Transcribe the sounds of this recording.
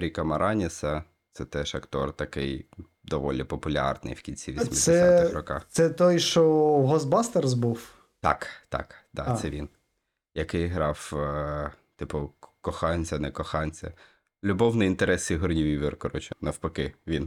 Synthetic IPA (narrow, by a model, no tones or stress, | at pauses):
ɾʲikɐmɐɾʔɑnʲisɐ | t̪sɛt̪ɛʃɐkt̪ɔrt̪ɐkɪj | d̪ɔʋɔlʲipɔpʊlʲɑ̰rnɪ̰jwkʲinʲt͡sʲiʋʲismdseɛsɪɾɔkɑ̰xt̪sɛt̪ɔjʃɔɦɔz̚bɑst̪erzbuw | t̪ɑ̰kt̪ɑ̰kd̪̥ɑ̰sɛʋʲin | jɐkɪjɦɾɑw | t̪ɪpʊkɔxɑnʲt͡sʲɐnɛkɔxɑnʲt͡sʲɐ̰ | lʲʊbɔwnɛint̪eɾɛsiɦɔrnʲiʋʲiʋɪrkɔɾɔt͡ʃʊnɐwpɐkɪʋʲin